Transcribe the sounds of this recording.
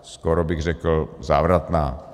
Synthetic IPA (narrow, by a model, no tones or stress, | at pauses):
skoɾobɪɣrɛkl̩zaːvɾat̪naː